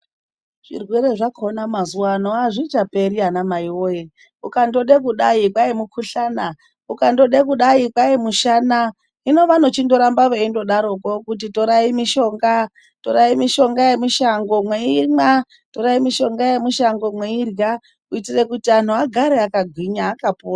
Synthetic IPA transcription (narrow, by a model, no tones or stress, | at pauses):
ʐ̥ḭrwe̞ɾeʐakonamazuwanoaʐit͡ʃapeɾianamaiwoje | ukando̞ɗek̬uɗaikwaimukʰuɬana | ukando̞ɗek̬uɗaikwaimuʃana | ino̞ʋano̞t͡ʃindo̞ɾambaʋeindo̞ɗaɾokokut̬ito̞ɾaimiʃo̞ŋɡa | toɾaimiʃo̞ŋɡajemiʃaŋɡo̞mweima | toɾaimiʃo̞ŋɡajemuʃaŋɡo̞mweirja | kuitirekutian̤uaɡʱaɾeakaɡʱwiɲaːkapoːra